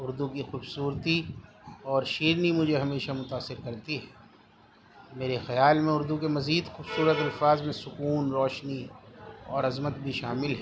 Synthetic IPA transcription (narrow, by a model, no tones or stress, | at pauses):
ʊɾd̪ukixuːbsuːɾt̪i | ɔːɾʃiːɾnimʊd͡ʒʱeɦɐmeːʃamʊt̪aːsːɪɾkɐɾt̪iɦɛː | meːɾexɐjaːlmẽʊɾd̪ukemɐziːd̪xuːbsuːɾət̪ɐlfaːzmẽsʊkuːnɾɔːʃni | ɔːɾɐzmət̪̚bʱiʃaːmɪlɦɛː